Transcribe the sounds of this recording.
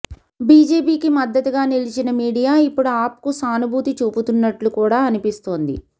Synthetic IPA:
biːd͡ʒeːpiːkimɐd̪ːɐt̪uɡaːnilit͡ʃinɐmiːɽijaːipːuɽuaːp̚kusaːnubʱuːt̪it͡ʃuːput̪unːɐʈlukuːɽaːɐnipist̪o̞ːnd̪ḭ

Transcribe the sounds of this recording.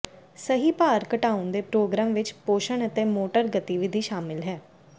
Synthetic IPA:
səɦiːpaːɾkəʈaːʊ̃nd̪eːpɾoːɡɾaːmʋɪt͡ʃpoːʃəɳət̪eːmoːʈəɾɡət̪iʋɪd̪ʱiːʃaːmɪlɦɛː

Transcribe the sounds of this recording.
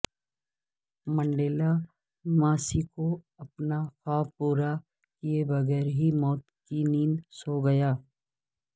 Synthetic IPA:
mɐ̃ɳɖeːla | maːsiko | ɐpnaxaːpuːɾa | kiebɐɣɛːɾɦimɔːt̪kiniːnsoːɡɐjaː

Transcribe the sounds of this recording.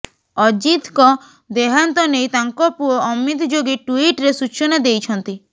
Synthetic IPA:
ɔd͡ʒit̪kɔ | d̪eɦant̪ɔnejt̪aŋkɔpuɔɔmit̪d͡ʒoɡiʈuiʈɾesut͡ʃɔnad̪ejt͡ʃʰɔnt̪i

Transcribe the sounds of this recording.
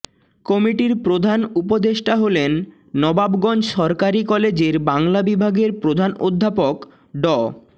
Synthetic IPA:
kɔmiʈiɾpɾod̪ʱanupod̪eʃʈaɦolenː | ɔbabɡɔnd͡ʑʃɔɾkaɾikɔled͡ʑeɾbaŋlabibʱaɡeɾpɾod̪ʱano̰d̪ʱːapok | ɖɔ

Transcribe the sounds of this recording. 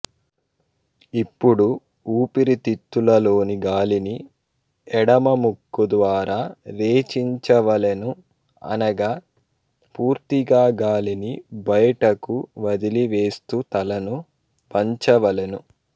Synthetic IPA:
ipːuɽu | uːpiɾit̪it̪ːulɐlo̞ːniɡaːlini | ɛɽɐmɐmukːud̪ʋaːɾaːɾeːt͡ʃiɲt͡ʃɐʋɐlenu | ɐ̰nɐɡaː | puːɾt̪iɡaːɡaːlinibɐjʈɐkuʋɐd̪iliʋe̞ːst̪ut̪ɐlɐnu | pɐɲt͡ʃɐʋɐlenu

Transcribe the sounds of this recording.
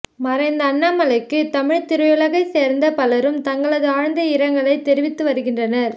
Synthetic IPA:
mɐɾɐɪnd̪ɐːnːaːmɐlɐɪkːɯt̪ɐmɪɻt̪ɪɾɐjɯlɐɣɐɪseːɾnd̪ɐpɐlɐɾɯmt̪ɐŋɡɐɭɐðɯaːɻnd̪ɐɪɾɐŋɡɐɭɐɪt̪ːɛɾɪʋɪt̪ːɯʋɐɾɯɣɪndrɐnɐɾ

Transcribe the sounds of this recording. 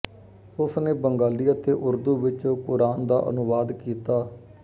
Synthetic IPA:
ʊsneːbəŋɡaːliːaːt̪eːʔʊɾd̪uːʋɪt͡ʃõːkʊɾaːnd̪a̰ːʔə̰nʊʋaːd̪kiːt̪aː

